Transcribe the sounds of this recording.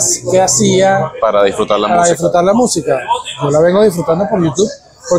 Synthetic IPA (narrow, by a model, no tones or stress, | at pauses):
skeasiapaɾaðisfɾut̪aɾlapaɾaðisfɾut̪aɾlamusikaʝolaβ̞eŋɡoð̞isfɾut̪and̪opoɾʝut̪uβ | poɾ